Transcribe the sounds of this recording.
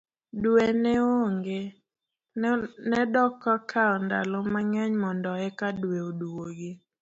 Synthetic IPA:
dweneoŋɡe | nɛdɔkɔkʰaɔnda̰lɔmaŋɛɲmɔndɔɛkadweoduoɡɪ

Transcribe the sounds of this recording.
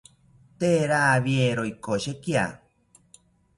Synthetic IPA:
t̪eɾaβjeɾoikoɕekia̰

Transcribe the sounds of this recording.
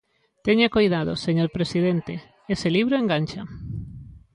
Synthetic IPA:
t̪eɲakojðaðo̰seɲoɾpɾesið̞ent̪e | eseliβɾoeŋɡanʲt͡ʃa

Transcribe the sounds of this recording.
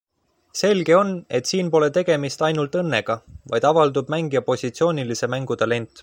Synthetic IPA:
se̞lɡe̞o̞ne̞t̪siːnpo̞le̞t̪e̞ɡ̥e̞mist̪ɑjnult̪ˑɤ̞nːe̞ɡ̥ɑvɑ̰jd̪̥ɑvɑld̪ub̥̚mæŋɡijɑpo̞sʲit̪sio̞ːnʲilise̞mæŋɡut̪ɑle̞nt̪ˑ

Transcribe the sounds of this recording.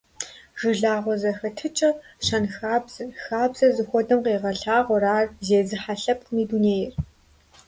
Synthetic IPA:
ʒ̥ɨɮaːʁʷɔzɐxɐtʰɨt͡ʃʼɐʃɐnxaːbzɐxaːbzɐzɨxʷɔdɐmqeːʁɐɬaːʁʷɔraːrzeːzɨħaɬɐp̚qmiːduneːjɪr

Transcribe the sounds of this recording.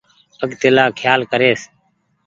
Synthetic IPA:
əɠt̪ɪlaːkʰjaːlkəɾeːs

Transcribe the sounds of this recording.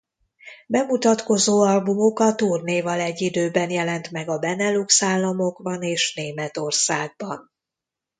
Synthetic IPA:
bɛmut̪ɒt̪ko̞zoːɒlbumo̞kɒt̪uːrneːvɒlɛɟːid̪øːbɛnjɛlɛnt̪mɛɡɒbɛnɛluksaːlːɒmo̞ɡbɒneːʃneːmɛt̪o̞rsaːɡ̚bɒn

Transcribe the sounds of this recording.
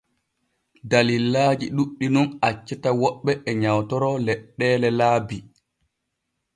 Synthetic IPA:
dalilːaːd͡ʒiɗuɗːinɔnat͡ʃːɛtawɔɓːɛʔːɲawtɔɾɔlɛɗːɛːlɛlaːbi

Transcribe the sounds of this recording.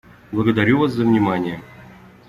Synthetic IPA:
blˠəɡəd̪aɾʲuvas̬zəvnʲɪmanʲɪjə

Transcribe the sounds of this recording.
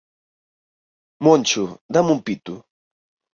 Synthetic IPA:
mont͡ʃʊd̪amʊmpit̪ʊ

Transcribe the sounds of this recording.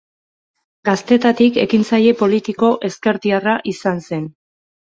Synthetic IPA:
ɡ̥ast̪e̞t̪at̪ike̞kint͡saje̞po̞lit̪iko̞ʔe̞ske̞ɾt̪iaraʔisanse̞n

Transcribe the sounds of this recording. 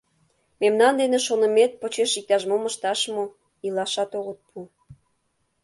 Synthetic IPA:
memnɑnd̪eneʃonə̆met̪̚pot͡ɕeʃik̚t̪ɑʃmoməʃt̪ɑʃmo | ilɑʃɑt̪oɣət̪̚pʰu

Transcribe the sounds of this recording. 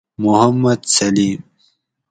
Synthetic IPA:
mʊhɐmːɐd̪sɐliːm

